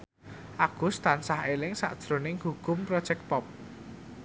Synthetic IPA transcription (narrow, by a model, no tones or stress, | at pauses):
ʔaɡ̥ʊ̤st̪ansahelɪŋsa̰ʔd̥ʒ̥ɾo̤nɪŋhuɡ̥ʊmpɾɔ̥ʒ̥ɛk̚pɔp̚